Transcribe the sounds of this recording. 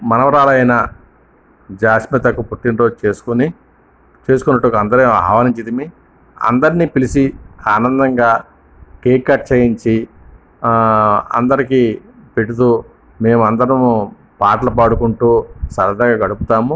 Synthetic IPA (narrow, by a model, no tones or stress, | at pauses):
mɐnɐʋɐɾaːlɐjnɐ | d͡ʒaːʃmit̪ɐkupuʈːinɾoːd͡ʒeːsu̥kuni | t͡ʃe̞ːs̬ukunːɐʈːukɐnd̪ɐɾea̰ːɦʋaːniɲt͡ʃid̪imi | ɐ̰nd̪ɐɾnipilisiaːnɐnd̪ɐŋɡaː | keːkːɐʈ̚t͡ʃɐjiɲt͡ʃi | ɐ̰nd̪ɐɾiki | peʈːut̪u | me̞ːmuɐnd̪ɐɾɐmu | paːʈlɐpaːɽukuɳʈuːsɐɾɐd̪ɐɡaːɡɐɽuput̪aːmu